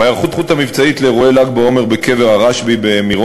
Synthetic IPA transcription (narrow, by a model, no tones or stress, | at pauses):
ajaʁχut̪χut̪hamivt͡sait̪leʁoelaɡ̚beo̞me̞ʁbeke̞veʁaʁaʃbibe̞miʁo